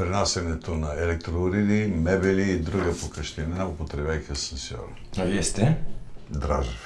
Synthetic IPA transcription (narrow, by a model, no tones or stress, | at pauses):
pɾinasɛnɛt̪onɐɛlɛk̚t̪ɾoːɾid̪imɛbɛliːd̪ɾuɡɐpokəʃt̪inaʊpot̪ɾɛbajkəsɛnsjɔ̰ɾ | aviɛst̪ɛd̪ɾaʒif